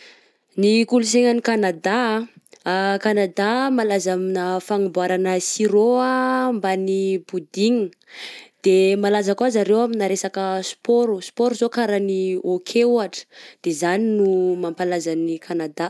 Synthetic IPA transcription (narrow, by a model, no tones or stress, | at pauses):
nikulus̬eŋanikanad̪a | kanad̪amalazaminəfaŋimbwaɾanəsiɾoambanibud̪iŋi | d̪̥emalazakwazaɾewaminaɾesakəsu̥poɾusu̥poɾuzokaɾaniokʰeuaʈ͡ʂə̥d̪̥ezaninumampalazanikʰanad̪a